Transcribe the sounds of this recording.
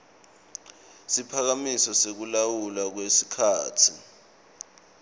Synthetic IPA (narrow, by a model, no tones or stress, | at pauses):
sipʰak̬amisɔsek̬ulawulak̬wesikʰaːtʰi